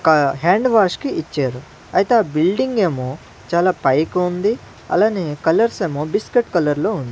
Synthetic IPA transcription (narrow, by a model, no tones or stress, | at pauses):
kɐɦaːɳɖʋaːʂkiʔit͡ʃːaːɾu | ɐjit̪eaːbilɖiŋɡe̞ːmoː | t͡ʃaːlaːpɐjkund̪i | ɐ̰laːnekɐlɐɾse̞ːmoːbiskeʈkɐlɐɾlo̞ːund̪ii